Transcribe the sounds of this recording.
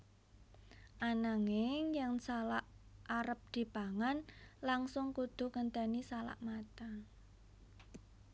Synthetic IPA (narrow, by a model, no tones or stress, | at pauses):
ʔanaŋɪŋjaŋsalaʔaɾəp̚d̪̥i̤paŋanlaŋsʊŋkud̪̥ʊ̤kənt̪ənisala̰ʔmat̪a